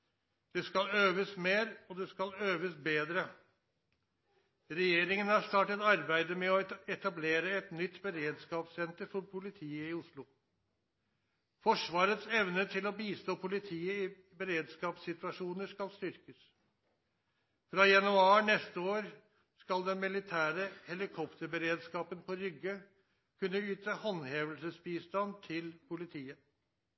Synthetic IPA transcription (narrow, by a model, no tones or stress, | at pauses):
d̪̥ɛskɑløːʋəsmeːɾɔd̪ɛskɑløːʋəsbeːd̪ɾə | ɾɛjeːɾɪŋənɑst̪ɑːʈət̪ɑɾbæɪd̪əmɛɔɛt̪ɑbleːɾəɛt̪nʏt̪ːbəɾeːd̪skɑːpsɛnt̪əɾfɔɾpʰʊlɪt̪ʰiːəɪʊʂlʊ | fɔʂʋɑːɾət̪sɛʋnəʈ̪ʰɪlɔbiːst̪oːpʰʊlɪt̪ʰiːəɪ | bəɾeːd̪skɑːpsɪt̪ʉɑʂuːnəʂkɑlst̪ʏɾkəs | fɾɑjɑnʉɑːɳɛst̪əoːɾ | skɑld̪ɛnmɪlɪt̪ʰæːɾəhɛlɪkʰɔpt̪əɾbəɾeːd̪skɑːpənpʰɔɾʏɡə | kʰʉnːəyːt̪əhɔnheːʋəlsəsbiːst̪ɑnt̪ʰɪlpʰʊlɪt̪ʰiːə